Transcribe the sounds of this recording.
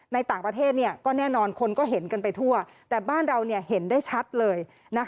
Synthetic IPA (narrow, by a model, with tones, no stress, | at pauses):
na˧jt̪aː˨˩ŋpɾa˧t̪ʰeː˥˩t̪̚ni˥˩ɐkɔː˥˩nɛː˥˩nɔː˧nkʰo˧nkɔː˥˩ɦe˩˦nka˧npa˧jt̪ʰu˥˩ɐ | t̪ɛː˨˩baː˥˩nɾa˧wni˥˩ɐhe˩˦ndaː˥˩jt͡ɕʰa˦˥t̪̚lɤː˧j | na˦˥